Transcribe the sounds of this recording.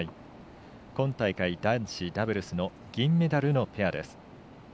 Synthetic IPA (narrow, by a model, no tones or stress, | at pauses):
i | kõ̞nt̪aikaid̪ãɕid̪abɯɾɯ̟sɨno̞ | ɡ̥ʲĩmːe̞d̪aɾɯ̟no̞pe̞ad̪e̞̰sɨ̥